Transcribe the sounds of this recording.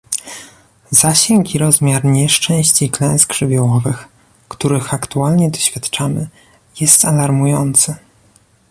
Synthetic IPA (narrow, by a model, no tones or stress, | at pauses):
zaɕɛŋkiɾɔzmʲjaɾɲɛʂt͡ʂɛ̃w̃ɕt͡ɕiklɛ̃w̃sɡʐ̥ɘbʲjɔwɔvɘx | kt̪uɾɘxakt̪ualɲɛd̪ɔɕfʲjat̪t͡ʂamɘ̰ | jɛst̪alaɾmujɔnt̪sɘ